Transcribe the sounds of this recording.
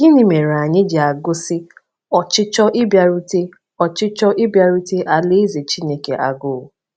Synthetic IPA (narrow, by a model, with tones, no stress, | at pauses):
ɡɪ˦nɪ˨me˨ɾa˨ɲɪ˦d͡ʒɪ˨a˨ɡʊ˦sɪ˦ | ɔ˨t͡ʃɪ˦t͡ʃɔ˦ʔɪ˦bja˨ɾu˦te˦ | ɔ˨t͡ʃɪ˦t͡ʃɔ˦ʔɪ˦bja˨ɾu˦te˦ʔa˨le˦ze˨t͡ʃi˦ne˦ke˨ʔa˨ɡʊ˨